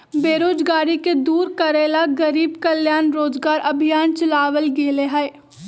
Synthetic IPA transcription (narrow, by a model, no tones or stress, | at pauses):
beːɾoːd͡ʒɡaːɾiked̪uːɾkəɾeːlaɡəɾiːbkəljaːnɾoːd͡ʒɡaːɾʔɐbʱijaːnt͡ʃəlaːʋəlɡeːleɦae